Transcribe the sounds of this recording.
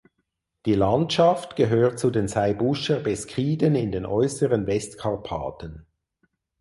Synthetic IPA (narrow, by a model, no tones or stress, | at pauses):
d̥iːlantʃɑftɡ̥əɦøːʁt̚t͡sudeːnsaɪbʊʃəbɛskʁiːdənɪndeːnʔɔʏsəʁənvɛstkʰɑʁpʰa̰ːtən